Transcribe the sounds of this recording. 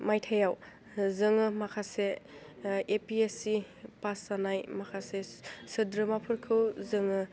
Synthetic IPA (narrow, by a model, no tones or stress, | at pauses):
majtʰajaw | zɯŋɯmakʰase | epiesi | pasanajmakʰasesɯdɾɯmapʰɯɾkʰɯwzɯŋɯ